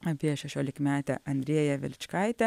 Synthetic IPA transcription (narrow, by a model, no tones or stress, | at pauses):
ɐpʲiɛʃʲɛʃʲoːlʲɪkmʲæːt̪ʲɛ̰ʔɐnʲd̪ʲɾʲiɛjɛʋʲɪ̰lʲt͡ʃkɐɪt̪ʲɛ